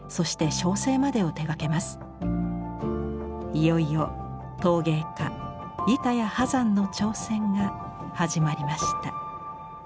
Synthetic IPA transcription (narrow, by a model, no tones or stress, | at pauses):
so̞ɕi̥t̪e̞ɕo̞ːse̞ːmad̪e̞o̞t̪e̞ɡake̞masɨ̥ | ijo̞ijo | t̪o̞ːɡe̞ːka | jit̪ajahazãnːo̞t͡ɕo̞ːsẽ̞ŋɡa | haʑimaɾʲimaɕi̥t̪a